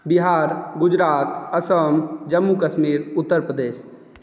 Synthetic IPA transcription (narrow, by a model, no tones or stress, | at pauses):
bɪɦaːɾɡʊd͡ʒɾaːt̪əsəmd͡ʒəmːukəʃmiːɾʊt̪ːəɾpɾəd̪eːs